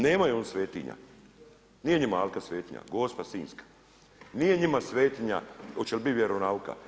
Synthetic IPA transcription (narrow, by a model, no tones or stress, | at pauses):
neːmajonsʋeːt̪ḭɲa̰ | nijeɲimaalkasʋeːt̪iɲa̰ɡoːspasiːnskḁ | nijeɲimasʋeːt̪iɲa̰ot͡ʃelbiʋʲjeɾonauka̰